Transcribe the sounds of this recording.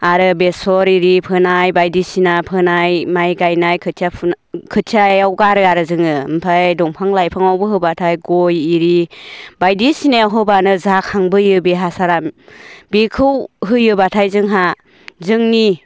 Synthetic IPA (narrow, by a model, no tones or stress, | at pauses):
aɾɯbesɔɾiɾipʰɯnajbajdisinapʰɯnajmajɡajnajkʰɯtʰjapʰn | kʰɯtʰjajawɡaɾɯaɾɯzɯŋɯmpʰajdɔŋpʰaŋlajpʰaŋawbɯɦɯbatʰajɡɔjiɾibajdisineaɦɯbanɯzakʰaŋbɯjɯbeɦasaɾambikʰɯwɦɯjɯbatʰajzɯŋɦa | zɯŋni